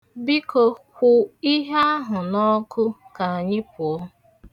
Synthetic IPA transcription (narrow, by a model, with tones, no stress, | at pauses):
bi˦ko˨xʷʊ˨i˦ɦe˦a˦ɦʊ˨nɔ˦kʰʊ˦ka˨a˨ɲɪ˦pʊ˨ɔ˦